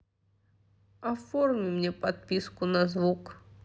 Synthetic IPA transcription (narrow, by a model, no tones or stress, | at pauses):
ɐformʲimnʲɛpat̪̚pʲiskʊnɐzvuk